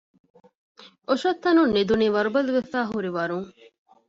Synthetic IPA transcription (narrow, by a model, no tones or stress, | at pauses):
oʃɐt̪ːɐnunːid̪uniːʋɐɾubɐluʋefæːɦuɾiʋɐɾuŋ